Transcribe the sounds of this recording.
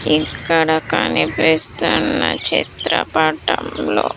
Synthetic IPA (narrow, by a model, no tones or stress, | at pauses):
ikːɐɽɐkanipeːst̪unːɐt͡ʃit̪ɾɐpaːʈɐmloː